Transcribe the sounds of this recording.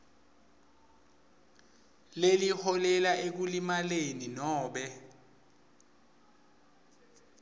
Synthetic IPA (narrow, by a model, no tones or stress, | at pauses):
lelihɔlɛlaʔek̬ulimaleninɔːɓɛ